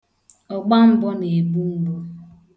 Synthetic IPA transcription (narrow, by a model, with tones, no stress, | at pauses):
ɔ˨ɡ͡ba˦m̩˦bɔ˦ne˨e˨bu˦m̩˦bo˦